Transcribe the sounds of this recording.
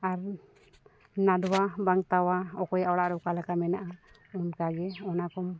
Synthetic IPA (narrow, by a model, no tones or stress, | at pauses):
aɾ | nad̪ɔwabaŋt̪awaɔkɔjaʔwɽaʔɾɔwkalakamɛnaʔa | unkaɡɛɔnakɔm